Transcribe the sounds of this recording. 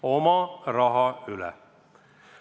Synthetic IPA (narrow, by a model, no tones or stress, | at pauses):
omɑrɑɦɑylæ̰